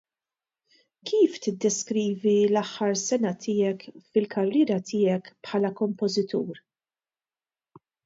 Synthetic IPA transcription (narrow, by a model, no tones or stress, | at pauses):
kʰiːft̪ɪd̪ːɛskɾiːvilɐħːɐɾsɛnɐt̪ʰɪːɛkfɪlkʰɐrːɪːɾɐt̪ʰɪːɛkpħɐːlɐkɔmpɔzɪt̪uːɾ